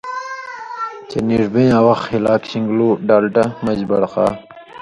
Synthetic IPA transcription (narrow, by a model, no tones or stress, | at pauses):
t͡ɕeniʐbẽːaːwɐxhilaːkɕiŋɡloːɖaːlʈɐmɐd͡ʑbɐɽqɑ̰ː